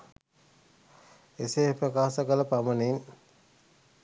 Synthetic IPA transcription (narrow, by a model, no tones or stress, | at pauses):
esepɾəkaːsəkələpamənin